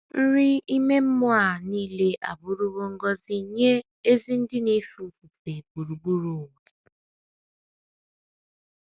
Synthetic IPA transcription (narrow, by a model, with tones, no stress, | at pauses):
n̩˦ɾɪ˦i˦me˦m̩˦mʊ˦a˦˨niː˦le˦ʔa̰˨bʊ˦ɾu˦wo˦ŋ̩˦ɡɔ˦zi˦ɲe˦ | e˦zi˦n̩˦dɪ˦ne˦fu˨ku˨fe˨bu˨ɾu˨bu˦ɾo˨we˨